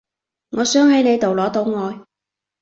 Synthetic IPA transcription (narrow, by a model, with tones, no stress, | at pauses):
ŋɔː˨˧sœː˨˥ŋhɐ˨˥jne˨˧jt̪o˨˩wlɔː˨˥t̪o˨˧wŋɔː˨˧j